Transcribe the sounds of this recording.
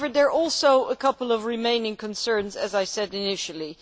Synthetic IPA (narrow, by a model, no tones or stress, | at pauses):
və˞d̪ðə˞ʔɔlˠsoʊəkʰʌpl̩ˠʌvɹɪmẽɪ̃nɪ̃ŋkʰnsɜ̃˞nzɨ̰zaɪsɛdɪnɪʃl̩ˠi